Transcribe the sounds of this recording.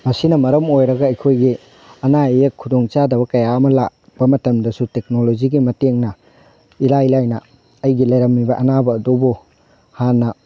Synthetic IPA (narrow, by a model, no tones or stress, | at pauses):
mɐsinɐmɐɾɐmojɾɐɡɐːjkʰojɡi | ɐnaijekʰːudoŋt͡ʃadɐβɐkɐjaɐmɐlak̚b̥ɐmɐtɐmdɐsutek̚nolod͡ʒiɡimɐteŋnɐ | ilailajnɐ | ɐjɡilɐjɾɐmːibɐʔɐnabɐːdobu | hanːɐ